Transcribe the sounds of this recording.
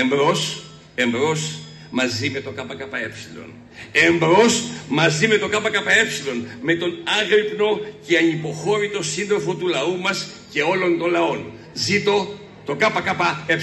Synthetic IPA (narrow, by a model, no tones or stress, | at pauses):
embɾo̞s | e̞mbɾo̞s | mɐzime̞t̪o̞kɐpɐkɐpɐe̞psilo̰n | embɾo̞smɐzime̞t̪o̞kɐpɐkɐpɐe̞psilo̞nme̞t̪o̞nɐɣɾipno̞ceɐnipo̞xo̞ɾit̪o̞sinðɾo̞fo̞t̪ulɐumɐs | ce̞o̞lo̞nt̪o̞nlɐo̞n | zit̪o̞ | t̪o̞kɐpɐkɐpɐe